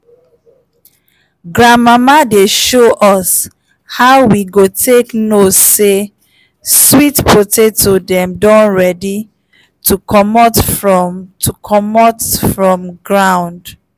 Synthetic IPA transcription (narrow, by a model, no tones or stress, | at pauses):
ɡɹãnmamadeʃoʔɔs | haʊwiɡotʰeknosːe | switpʰotetʰodɛ̃mdɔ̃nɹɛdi | tʰukʰɔmɔtfɹɔtʰukʰɔmɔtfɹɔ̃mɡɹãʊ̃nd